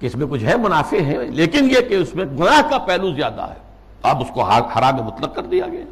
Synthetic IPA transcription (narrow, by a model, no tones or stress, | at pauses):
keɪsmẽkʊt͡ʃʰɦɛmʊnaːfeɦɛ̃leːkɪnjekeʊsmẽɡʊnaːɦkapɛɦluzjaːd̪a̰ɦɛ̰ː | ɐbʊskoɦhɐɾaːmemʊt̪ləq̚kɐɾd̪ija̰ɡeaː